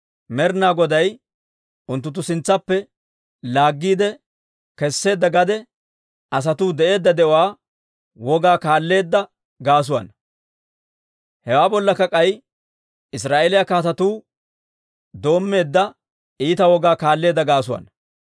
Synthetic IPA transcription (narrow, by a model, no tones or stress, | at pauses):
mɛɾnaːɡɔd̪ɐj | ʊnt̪ːʊt̪̬ːʊsɪnt͡sːɐpːɛ | laːɡːiːd̪ɛ | kɛsːe̞ːd̪ːɐɡɐd̪ɛ | ɐs̬ɐt̪uːd̪ɛʔe̞ːd̪ːɐd̪ɛʔɔwaː | wɔɡaːkaːlːe̞ːd̪ːɐ | ɡaːs̬ʊwɐ̰n | hɛwaːbɔlːɐkːɐkʼɐj | ɪs̬ɾaːʔelɪjɐkaːt̪ɐt̪uː | d̪o̞ːmːe̞ːd̪ːɐ | iːt̪ɐwɔɡaːkaːlːe̞ːd̪ːɐɡaːsʊwɐ̰n